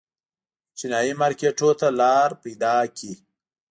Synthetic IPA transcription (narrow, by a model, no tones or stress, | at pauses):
t͡ʃinɑimɑɾkeʈot̪alɑɾpejd̪ɑkʰi